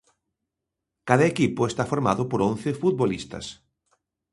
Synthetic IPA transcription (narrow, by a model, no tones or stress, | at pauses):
kaðɐekipʊest̪afoɾmaðʊpoɾõn̟θefut̪̚βolist̪ɐ̰s